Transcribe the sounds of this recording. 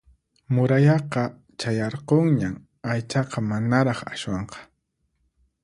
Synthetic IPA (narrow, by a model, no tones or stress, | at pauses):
mʊɾajɑqɑ | t͡ʃajɑɾqoŋɲam | ajt͡ʃɑqɑmanaɾɑχaʃwɑɴqɑ̥